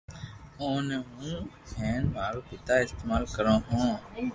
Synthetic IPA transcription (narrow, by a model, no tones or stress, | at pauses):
oːneɦũː | ɛːnmaːɾoːpɪt̪aːɪst̪eːmaːlkəɾõːɦũː